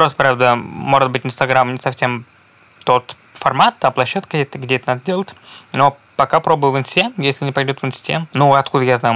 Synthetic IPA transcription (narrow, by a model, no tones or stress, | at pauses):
pɾost̪əpɾavd̪əmo̞ʐɨd̪bɨtʲɪnst̪ɐɡɾamnʲɪsɐfʲsʲem | t̪o̞t̪ | fɐrmat̪ːaplˠɐɕːat̪kədʲet̪əɡdʲeɛt̪ənad̪ədʲelˠətʲno̞ | pɐkapɾo̞bəvəvɨnsʲɪ̥tʲemjesʲlʲɪnʲɪpɐjdʲot̪vɨnsʲɪ̥tʲḛmnuɐt̪kud̪əjaznajʊ